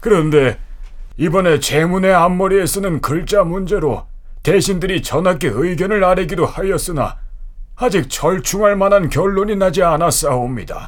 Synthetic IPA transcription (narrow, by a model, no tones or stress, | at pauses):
kɯɾʌnde̞ | ibʌne̞t͡ɕe̞mune̞amːoɾies͈ɯnɯnkɯɭt͡ɕ͈amund͡ʑe̞ɾo | te̞ɕʰindɯɾit͡ɕʌnɦak͈e̞ɯjɡjʌnɯɭaɾeɡidohajʌs͈ɯna̰ad͡ʑik̚t͡ɕʰʌɭt͡ɕʰuŋaɭmanankjʌɭːoɲinad͡ʑianas͈aomɲida̰